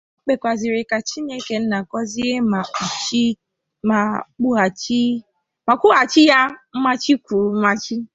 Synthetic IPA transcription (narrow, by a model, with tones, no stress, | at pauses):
k͡pe˨kʷa˨zi˨ɾɪ˨ka˨t͡ʃi˦ɲe˦ke˨n̩˦na˨kɔ˦zi˦e˦ma˨u˨t͡ʃi˦ | ma˨k͡pu˦a˨t͡ʃi˦ | ma˨kʷu˦a˨t͡ʃi˦ja˦m̩˦ma˦t͡ʃi˦kʷu˨˦m̩˦ma˦t͡ʃi˦